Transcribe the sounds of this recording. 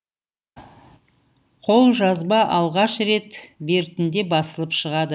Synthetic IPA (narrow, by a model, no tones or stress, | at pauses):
qʰo̞lˠʒɑzbɑʔɑlˠʁɑʃɾe̞t̪be̞ɾt̪ɪnd̪e̞bɑsəlˠəpʃəʁɑd̪ə